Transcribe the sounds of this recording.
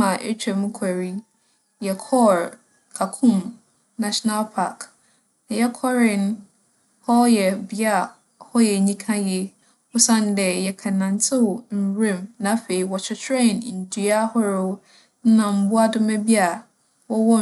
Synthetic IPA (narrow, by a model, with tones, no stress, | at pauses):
ã˨ʔḛ˦t͡ɕᶣɛ˨mũ˦kʰa˨ɾi˦ | jɛ˨kʰɔ˦ɾ | kʰa˨kʰʊ̃˦˨m | na˨ʃɔ˦na˦lpʰa˨k | nã˨jɛ˦kʰɔ˦ɾɪ˦n˦ | hɔ˦jɛ˨bɪ˨a˦˨ | hɔ˦jɛ˨ɲĩ˦kʰã˦jɛ˦ | ʊ˦sã˦n˦dɛ˨jɛ˨kʰa˨nã˨ntʰɪ˦˨m̩˨wɾẽ˦˨mnã˨˦fe˨i˨wɔ˨t͡ɕʰᶣɪ˨t͡ɕʰɾɛ̃˦˨n˨n̩˨dʰi˨a˦hɔ˦ɾʊ˦ | n̩˦nã˨m̩˦bʊ˦a˦dʊ˦mæ̃˦bi˦a˨ | wɔ˦wɔ˦